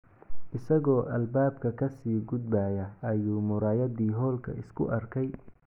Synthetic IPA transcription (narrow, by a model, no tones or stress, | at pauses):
ʔɪsɐɣɔːʔɐlbaːb̚kʰɐkʰɐsiːɡʊd̪̚baːjɐɐjuːmʊɾaːjɐd̪iːɦɔːlkʰɐ̰ʔɪskʰʊ̰ʔɐrkʰɛj